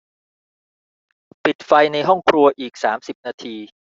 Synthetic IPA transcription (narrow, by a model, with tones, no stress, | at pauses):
pi˨˩t̪̚fa˧jna˧jɦɔ˥˩ŋkʰɾu˧ɐʔiː˨˩k̚saː˩˦msi˨˩p̚naː˧t̪ʰiː˧